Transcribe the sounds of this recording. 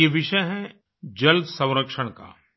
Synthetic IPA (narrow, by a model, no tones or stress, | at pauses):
eʋɪʃəjɦɛ̃ | d͡ʒɐld̪sɐ̃w̃ɾəkʃəɽ̃ka̰ː